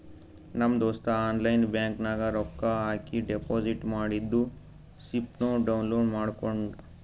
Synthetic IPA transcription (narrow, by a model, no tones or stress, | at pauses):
nɐmd̪oːst̪aaːnlɐjnbjaːŋknaːɡɐɾɔkːaaːkiɖepoːd͡ʒiʈmaːɽid̪ːu | sipnoːɖɐwunloːɖmaːɽkoɳɖu